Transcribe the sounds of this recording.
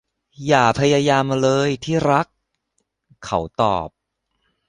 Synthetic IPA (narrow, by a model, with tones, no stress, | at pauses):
jaː˨˩pʰa˧jaː˧jaː˧mlɤː˧jt̪ʰiː˥˩ɾa˦˥k̚ʰː | a˩˦wt̪ɔ̰ː˨˩p̚